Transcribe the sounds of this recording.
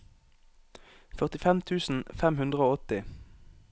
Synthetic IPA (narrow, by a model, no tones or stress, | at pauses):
fœʁt̪ɪfɛmt̪ʰʉːsn̩fɛmhʉnd̪ʁəoːɔt̪ɪ